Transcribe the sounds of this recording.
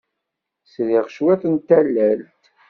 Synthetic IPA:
sðiʁʃwæθənt̪ælːælt̪

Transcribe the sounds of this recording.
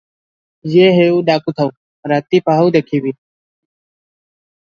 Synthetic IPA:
jeːɦeːuːɖaːkuːt̪ʰəʋ | ɾaːt̪iːpaːɦud̪eːkʰiːbiː

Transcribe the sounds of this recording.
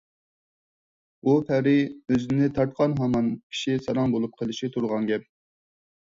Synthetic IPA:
upʰæɾɪøzɪnɪt̪ʰɑɾt̪̚qʰɑnɦɑmɑnkʲʰi̥ʃisɑɾɑŋbolˠup̚qʰəlˠɨʃit̪ʰuɾʁɑŋɡʲɛp̚

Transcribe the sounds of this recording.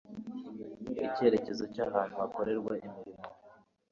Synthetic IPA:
ice̞ɾe̞ce̞zo̞caːβaːn̥huako̞ɾe̞ɾɡwaʔimiɾimo

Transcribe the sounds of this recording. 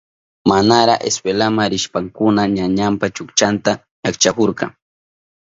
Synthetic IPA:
manaɾaʔḛspelamaɾɪʃpaŋkʊnaɲaɲampat͡ʃʊkt͡ʃant̪a | ɲakt͡ʃakoɾkɑ

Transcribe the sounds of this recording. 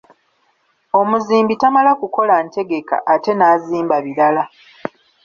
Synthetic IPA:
o̞muziːmbitamalakuko̞lante̞ɡe̞ka̰ʔːte̞naːziːmbaβiɾala

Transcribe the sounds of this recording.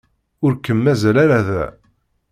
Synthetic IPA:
ʊɾkːəmːæzælaɾæðæ̰

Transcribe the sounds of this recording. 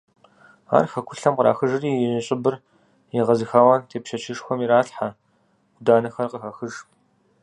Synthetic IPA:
a̰ːrxɐkʷʰʊɬɐmqɾa̰ːxɨʒɨriːjɛɕʼɪbɨr | jiʁɐzɨxaːwɐntʰeːpʃɐt͡ʃʰɪʂxʷɔmiɾaːɬħa | ɡ̥ʷʊdaːnɨxɐrqəxɐxɨʒ

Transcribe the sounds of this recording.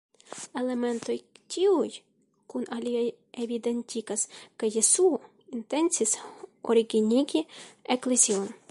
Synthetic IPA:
e̞le̞me̞nto̞jtʲʰiuj | kunaliaj | evid̪e̞ntʲiɡaskajːesuo | inte̞nt͡sisoɾiɡiniɡieklezio̞n

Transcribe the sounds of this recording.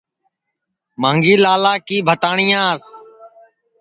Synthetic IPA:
mãːŋɡiːlaːlaːkiːbʱət̪aːɳɪjãːs

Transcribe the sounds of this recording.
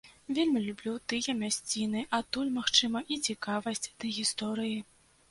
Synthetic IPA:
vʲelʲmʲilʲublʲut̪ɨjɐmʲasʲt͡sʲinɨʔat̪ulʲmaxt͡ʂɨmɐʔit͡sʲikavɐsʲt͡sʲd̪̥ɐɣʲist̪ɔɾɨji

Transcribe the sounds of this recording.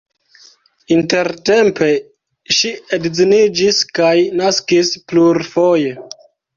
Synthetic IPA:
inte̞ɾtempe̞ | ʃiedzinid͡ʒiskajnaskispluɾfoje

